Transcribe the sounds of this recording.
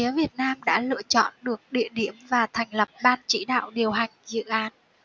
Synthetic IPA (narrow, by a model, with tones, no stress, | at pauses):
i˨˦əvi˨˩ət̚naː˧mɗa̰ː˧˥lɨ̰˧ət͡ɕɔ̰˧˨nɗɨ˨˩ək̚ɗḭ˧˨əɗi˧˩əmvaː˨˩t̪ʰɛ˨˩jŋ̟lə˨˩p̚ɓaː˧nt͡ɕḭ˧˥ɗa̰ː˧˨wɗi˨˩əwɦa˨˩jŋ̟zɨ̰˧˨ʔaː˨˦n